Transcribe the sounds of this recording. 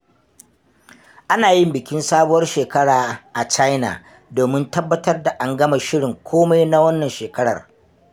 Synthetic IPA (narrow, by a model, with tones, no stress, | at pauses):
ʔa˦naː˨jɪ˦mbɪ˨kʲɪ˦nsaː˦bʊ˦wɐ˦rʃeː˨kɐ˦ɽaː˨ʔa˨t͡ʃa˦jna̰ː˨ | doː˨mɪ˦ntɐ˦bːɐ˦tɐ˦rda˨ʔa˨ŋɡɐ˦ma˨ʃɪ˦ɽɪ˨ŋkʷʰoː˦ma˦jna˦wɐ˦nːɐ˨nʃeː˨kɐ˦ɽɐ̰˨r